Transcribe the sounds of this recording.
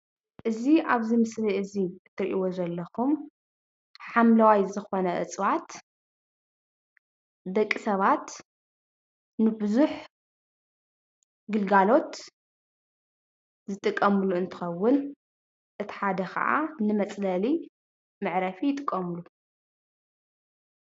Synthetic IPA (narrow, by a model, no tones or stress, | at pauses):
ʔɨziʔaβzɨmɨsliɨziɨt̪ʰːɐɾʔiwozɐlːɐxum | ħamlɐwajzɨxo̞nɐʔɨ̰t͡sʼwat̪ | dɐkʼːisɐβat̪ | nɨbɨzuħ | ɡɨlɡalo̞t̪ | zɨt̪ʼɨkʼːɐmɨluɨnt̪ʰɨ̥xɐwːʊn | ʔɨt̪ʰi̥ħad̪ɐkʰɐ̰ʔa̰nɨmɐt͡sʼlɐli | mɨʕɾɐfijɪt̪ʼɨkʼːɐmɨlu